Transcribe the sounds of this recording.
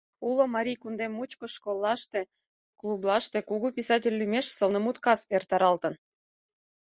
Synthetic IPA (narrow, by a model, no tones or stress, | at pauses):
ulomɑɾʲijkund̪emːut͡ɕkoʃkolˠːɑʃt̪e | klublɑʃt̪ekuɣupʲisɑtʲelʲːymeʃsəlnəmut̪kɑsert̪ɑɾɑlt̪ə̆n